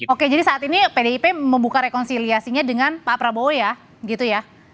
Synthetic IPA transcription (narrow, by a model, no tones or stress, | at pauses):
oked͡ʒadisaːt̪inipedeipeməmbukaɾekɔnsiliasiɲadəŋanpapɾaboweja | ɡit̪uja